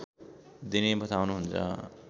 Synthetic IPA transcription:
d̪inebʌt̪awnuɦunt͡sʰʌ̰

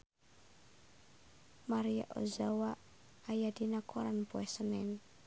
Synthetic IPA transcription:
maɾia̰ʔɔ̰zawaʔ | ajadinakʰɔɾanpuɛsənɛn

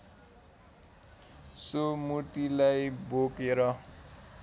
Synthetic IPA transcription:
somut̪ilajbokeɾʌ

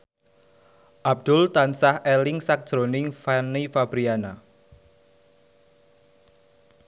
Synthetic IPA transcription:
ʔab̚d̪̥ʊlt̪ansahɛlɪŋsak̚d̥ʒ̥ɾonɪŋfanifab̥ɾiana

